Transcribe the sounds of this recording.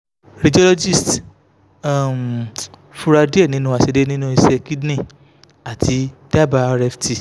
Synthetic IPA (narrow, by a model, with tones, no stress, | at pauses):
ɾi˨d͡ʒo˦lo˦d͡ʒi˦˨st | a˦˨m̩˨ | fu˧ɾa˧di˦e˦˨nĩ˦nũ˦a˧˨se˧de˦nĩ˦nũ˦i˧sɛ˧ki˦dnĩ˦˨ | a˨tʰi˨˧˦d̥a˦˨ba˧ɾɛ˧ftʰi˧